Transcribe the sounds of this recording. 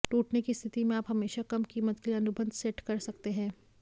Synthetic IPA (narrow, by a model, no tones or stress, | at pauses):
ʈuːʈnekist̪ʰɪt̪imẽaːpɦɐmeːʃakɐmkiːmət̪̚keliɐnʊbə̃nd̪ʱsɛʈkɐɾsɐkt̪eɦɛ̃ː